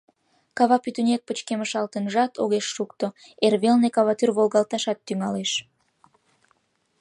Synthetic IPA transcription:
kɑβɑpyt̪ynʲek̚pət͡ɕkeməʃɑlt̪ənʒɑt̪oɣeʃːukt̪o | erβelnekɑβɑt̪yrβolɣɑlt̪ɑʃɑt̪ːyŋɑleʃ

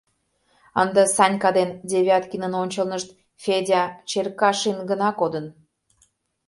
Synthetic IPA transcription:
ənd̪ə̆sɑnʲkɑd̪end̪ʲeβʲɑt̪kʲinə̆nonʲt͡ɕəlnəʃt̪̚ | fʲedʲɑt͡ɕerkɑʃinɡənɑkod̪ə̆n

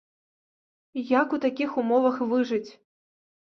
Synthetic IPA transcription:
jakut̪akʲixumɔvɐxvɨʐɨt͡sʲ

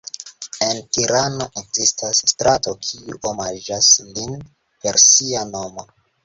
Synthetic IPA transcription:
e̞ntiɾano̞ʔekzistasstɾato̞kʰiuʔomad͡ʒaslin | pe̞ɾsiano̞mo̞

